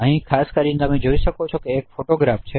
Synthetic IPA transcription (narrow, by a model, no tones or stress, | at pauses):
əɦĩkʰaskəɾinet̪əmed͡ʒoiʃəkot͡ʃʰokeːkfoʈoɡɾaft͡ʃʰe